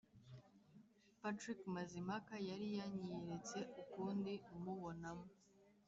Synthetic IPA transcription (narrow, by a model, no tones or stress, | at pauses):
patɾikmazimakajaɾijaɲijɾet͡se̞ʔukuːndiumuβo̞namo